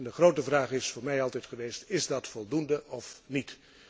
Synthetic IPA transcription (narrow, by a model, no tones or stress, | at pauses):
ndəχrowtəvraːχɪsfʊːɹmɛjɑlˠtɛjtχəʋejstɪzdɑtfɔlˠdundəʔɔfnit